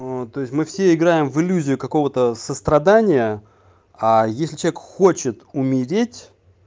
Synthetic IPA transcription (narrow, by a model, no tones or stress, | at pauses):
t̪o̞ɪsʲmɨfsʲeɪɡɾajɪmvɨlʲuzʲɪjʊkɐko̞vət̪əsəst̪ɾɐd̪anʲɪjə | ajesʲlʲɪt͡ɕɐvʲekxot͡ɕɪt̪ʊmʲɪɾʲetʲ